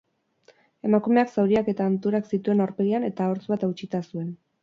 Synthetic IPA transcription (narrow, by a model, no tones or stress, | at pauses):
e̞makume̞aksawɾiake̞t̪aːnt̪uɾaksit̪ue̞naɾpe̞ɣiane̞t̪ao̞ɾt͡suβat̪awt͡ʃit̪asue̞n